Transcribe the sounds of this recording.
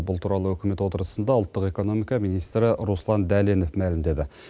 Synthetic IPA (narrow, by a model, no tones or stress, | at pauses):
bʊlˠt̪ʰuɾɑlˠəwɵkʲɪme̞t̪wo̞t̪əɾəsənd̪ɑʊlˠt̪ːəqe̞ko̞no̞mijkɑmijnijst̪ɾəɾuslˠɑnd̪ælenofmælɪmd̪e̞d̪ɪ